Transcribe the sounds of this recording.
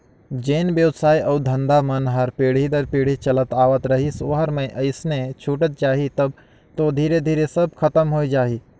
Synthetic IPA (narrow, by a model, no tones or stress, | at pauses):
d͡ʒeːnbjəʊt̪saːiʔɐːd̪ʱɐ̃nd̪amɐnɦəɾpeːɽ̤id̪ɐɾpeːɽ̤it͡ʃɐlət̪aːʋət̪ɾɐɦisʊɦəɾmẽʔɐɪsnet͡ʃʰuːʈət̪̚t͡ʃaːɦit̪ɐb̚ | t̪od̪ʱiːɾed̪ʱiːɾesɐb̚kʰɐt̪əmɦoːid͡ʒaːɦi